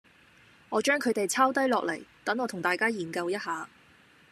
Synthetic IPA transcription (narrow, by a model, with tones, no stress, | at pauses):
ŋɔː˨˧t͡ʃœː˥ŋkʰɵ˨˧ɥt̪e˨jt͡sʰaː˥wt̪ɐ˥jlɔː˨k̚lɐ˨˩jt̪ɐ˨˥ŋɔː˨˧t̪ʰʊ˨˩ŋt̪aː˨˩jkaː˥jiː˨˩nkɐ˧wjɐ˥t̚haː˨˧